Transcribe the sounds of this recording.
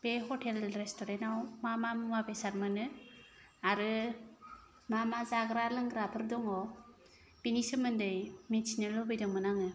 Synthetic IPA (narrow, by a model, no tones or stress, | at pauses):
b̥eɦɔtʰelɾestɔɾentawmamamuŋabesaɾmɯnɯ | aɾɯ | mamazaɡɾalɯŋɡɾapʰɯɾdɔŋɔ | pinisɯmɯndɯjmisinɯlɔbɯjdɔŋmɯnaŋɯ